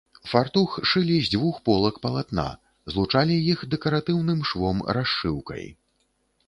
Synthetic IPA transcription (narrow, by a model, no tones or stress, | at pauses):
fart̪uxʂɨlʲizʲd͡zʲvuxpɔlˠɐkpɐlˠat̪na̰ | zlˠut͡ʂalʲijixd̪ɛkɐɾat̪ɨwnɨmʂvɔmɾaʂːɨwkɐ̰j